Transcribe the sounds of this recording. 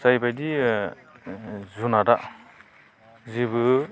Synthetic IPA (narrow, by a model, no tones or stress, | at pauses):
sajbajdi | zunadaʔ | zibɯ